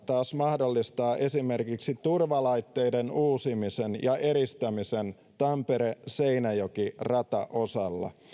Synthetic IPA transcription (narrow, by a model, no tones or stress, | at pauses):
t̪ɑːsmɑhdo̞lːist̪ɑːʔe̞sime̞rkiksit̪urʋɑlɑjt̪ːejdenuːsimisenjɑʔe̞ɾist̪æmisen | t̪ɑmpe̞ɾese̞jnæjokirɑt̪ɑ̰ʔo̞sɑlːɑ̰